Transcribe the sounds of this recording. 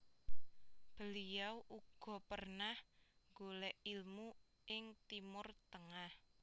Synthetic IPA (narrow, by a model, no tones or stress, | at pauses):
b̥ə̤lijawʔuɡ̥ɔ̤pərnahŋɡolɛʔilmu | ʔɪŋt̪imʊrt̪əŋah